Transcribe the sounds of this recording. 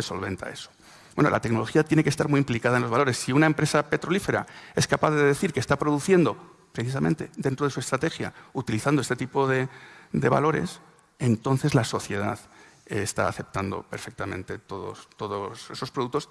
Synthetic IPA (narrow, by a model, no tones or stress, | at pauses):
eso̞̰lβe̞̰nt̪a̰e̞so̥ | bwnolʔa̰t̪e̞kno̞lo̞xiat̪je̞ne̞ke̞st̪aɾmuiimplikaðaenloβalo̞ɾe̞sːiunaempɾe̞sape̞t̪ɾo̞life̞ɾa̰e̞skapaðeðeθiɾkest̪apɾo̞ðuθje̞nd̪o̞ | pɾeθis̬amẽ̞nt̪e̞d̪e̞nt̪ɾoðesue̞st̪ɾat̪exja̰ut̪iliθandoest̪e̞t̪ipo̞ðe̞d̪e̞βa̰lo̞ɾe̞̰s | e̞nt̪o̞nθe̞zlaso̞θje̞ð̞að | est̪a̰ːθe̞p̚t̪and̪o̞̰pe̞ɾfe̞k̚t̪amẽ̞̰nt̪e̞t̪o̞ðo̰st̪o̞ðose̞so̞spɾoðukt̪o̞s